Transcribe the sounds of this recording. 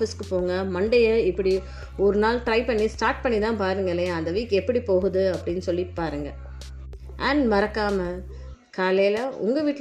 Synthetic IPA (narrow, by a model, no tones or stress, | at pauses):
fɪskɯpoːŋɡɐmɐɳɖɐjɐɪpːɐɽi | ɔɾɯnaːlʈɾɐɪpɐɳːisʈaːɾʈ̚pɐɳːit̪ãːpaːɾɯŋɡɐlːɐjaɐnd̪ɐʋiːkɛpːɐɽipoːɣɯðɯɐpːɐɽɪnːɯsɔlːipaːɾɯŋɡɐ | aːnmɐɾɐkːaːmɐ | kaːlɐjlɐʔʊ̰ŋɡɐʋiːʈː